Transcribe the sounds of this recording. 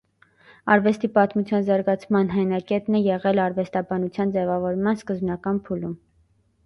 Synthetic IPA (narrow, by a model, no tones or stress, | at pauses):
ɑ̰ɾvɛst̪ipɑt̪mut͡sʰjɑnzɑɾɡɑt͡sʰmɑnɦɑjnɑkɛt̪nɛjɛʁɛlɑɾvɛst̪ɑbɑnut͡sʰjɑnd͡zɛvɑvɔɾmɑnskəzbnɑkɑnpʰulum